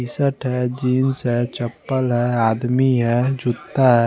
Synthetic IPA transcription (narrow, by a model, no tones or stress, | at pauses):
isəʈɦɛd͡ʒiːnsɦɛt͡ʃəpːəlɦɛaːd̪miɦɛd͡ʒʊt̪ːaɦɛ